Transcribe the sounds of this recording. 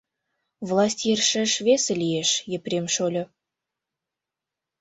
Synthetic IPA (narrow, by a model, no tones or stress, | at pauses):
vlˠɑsʲtʲjerʃə̆ʃveselʲijeʃjə̆prʲemʃolʲo